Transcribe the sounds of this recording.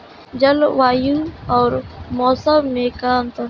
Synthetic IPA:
d͡ʒɐlʋaːjuɔːɾmɔːsəwmeːkaːnt̪ɐ

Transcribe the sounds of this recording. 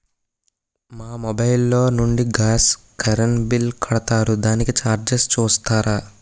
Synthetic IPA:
maːmɔbɐjlːo̞ːnuɳɖiɡaːs | kɐɾɐnbilkʰɐɽɐt̪aːɾud̪aːnikit͡ʃaːɾd͡ʒest͡ʃuːst̪aːɾaː

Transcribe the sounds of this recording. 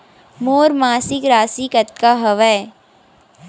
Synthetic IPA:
moːɾmaːsɪkɾaːsikɐt̪̚kaɦɐʋɛ

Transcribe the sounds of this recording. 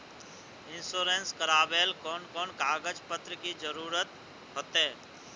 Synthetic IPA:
ɪnsoːɾeːnskəɾaːbeːlkɔːnkɔːnkaːɡəd͡ʒpət̪ɾəkid͡ʒəɾuːɾət̪ | ɦot̪eː

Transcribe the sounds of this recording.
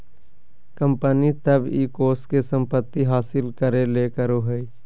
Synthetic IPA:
kə̃mpənit̪əbiːkoːskesə̃mpət̪ːiɦaːsɪlkəɾeleːkəɾoɦəi

